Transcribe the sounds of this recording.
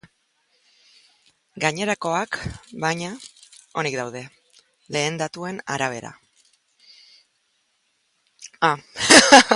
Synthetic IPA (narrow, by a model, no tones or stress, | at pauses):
ɡaɲe̞ɾako̞akbajɲao̞nik̚d̪awðe̞ | le̞ːnd̪at̪ue̞naɾaβ̞e̞ɾa̰ | a